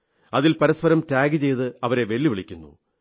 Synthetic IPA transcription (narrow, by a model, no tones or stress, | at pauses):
ɐðilpɐɾɐspɐɾɐmtaːɡɨt͡ɕe̞jt̪ɨɐʋɐɾe̞ʋe̞ɭːiʋiɭikʲːunːṵ